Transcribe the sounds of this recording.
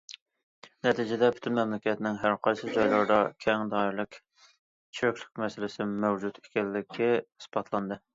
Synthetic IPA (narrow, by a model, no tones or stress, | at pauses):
nɛt̪ʰid͡ʒɪd̪ɛpʰy̥t̪ʰynmɛmlɪkʲɛt̪ɪnɪŋɦæɾqʰɑjsɨd͡ʒɑjlˠɑɾd̪ɑkʲʰɛŋd̪ɑɾlˠɪkʲ | t͡ʃʰøkʲlɪ̥k̚ʲmɛsɪlɪsɪmɛwd͡ʒut̪e̥kʲɛlːɪkʲʰːiɨ̥sbɑt̪ʰlˠɑnd̪ɨ